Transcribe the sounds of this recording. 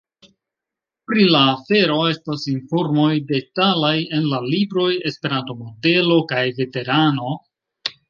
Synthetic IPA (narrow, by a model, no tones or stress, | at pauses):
pɾilaːfe̞ɾo̞e̞stasinfo̞ɾmo̞jde̞talaje̞nlalibɾo̞je̞spe̞ɾanto̞mo̞de̞lo̞kajve̞te̞ɾano̞